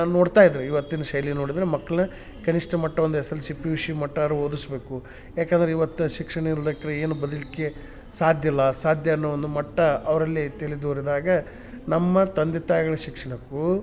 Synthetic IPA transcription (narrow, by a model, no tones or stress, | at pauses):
naːnno̞ːɽt̪aːjid̪ɾeiʋɐt̪ːinɐʃɐjlino̞ːɽid̪ɾemɐkːɐɭɐnɐ | kɐniʂʈɐmɐʈːɐond̪uɦɛsɐlːusipuʋiʂimɐʈːɐɾuoːd̪usbe̞ːku | jaːkend̪ɐɾeiʋɐt̪ːuʃikʂɐɳɐiɾd̪ɐkːɐɾɐeːnubɐd̪ɐlikːe | saːd̪ʱjɐlːɐsaːd̪ʱjɐːnːoond̪umɐʈːɐɐʋɐɾɐlːit̪elid̪oːɾid̪aːɡɐ | nɐmːɐt̪ɐnd̪it̪aːjɐɡɐɭɐʃikʂɐɳɐkːu